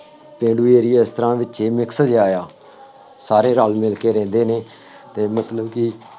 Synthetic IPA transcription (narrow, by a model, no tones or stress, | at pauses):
pẽːɖuːeːɾiːɪst̪əɾãːʋɪt͡ʃeːmɪksəd͡ʒaːjaː | saːɾeːɾaːlmɪlkeːɾɛ̃ːnd̪eːneː | t̪eːmət̪ləbkɪ